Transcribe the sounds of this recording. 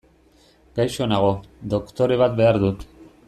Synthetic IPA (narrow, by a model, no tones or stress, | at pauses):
ɡajʃo̞naɣ̞o̞d̪o̞kt̪o̞ɾe̞β̞at̪be̞aɾðut̪